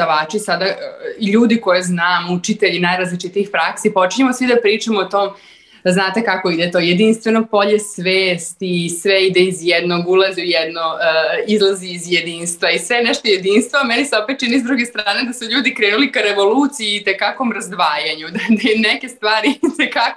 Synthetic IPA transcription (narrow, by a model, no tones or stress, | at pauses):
d̪aʋaːt͡ʃisad̪aiʎuːd̪iko̞jeznaːmut͡ʃit̪eʎinajɾazlit͡ʃit̪iːxpɾaksipo̞t͡ʃiɲemosʋid̪apɾiːt͡ʃamoːt̪oːm | znaːt̪e̞kako̞id̪et̪oje̞d̪inst̪ʋe̞nopo̞ʎesʋeːst̪isʋeid̪eizjɛd̪no̞ɡulˠazejɛd̪noizlˠaziːzjed̪iːnst̪ʋaisʋenɛʃt̪ojed̪iːnst̪vʋoameniseo̞pet̪̚t͡ʃinizd̪ɾuɡest̪ɾaːned̪asuʎuːd̪ikɾeːnulikaɾeʋo̞luːt̪sijiːt̪ekakomɾazd̪ʋaːjaɲud̪ad̪enɛke̞st̪ʋaːɾit̪ekako